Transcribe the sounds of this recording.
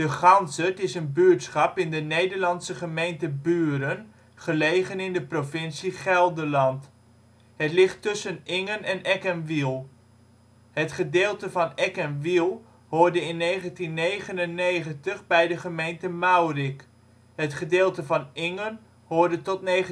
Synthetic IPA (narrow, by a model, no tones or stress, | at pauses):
d̥əχɑnsətɪsənbyːtsχɑpɪndənejdəɹlɑnsəχəmejntəbyːɾən | χəlejχənɪndəprovɪnsiχɛlˠdəlɑnt | ɦətlɪχtɵsənɪŋənɛnɛkənʋilˠ | ɦətχədeːlˠtəvɑnɛkənʋilˠ | ɦʊːɹdəɪnːejχəntinːejχənənːejχəntəχbɛjdəχəmejntəmawrik | ɦətχədeːlˠtəvɑnɪŋən | ɦoːɹdətɔtne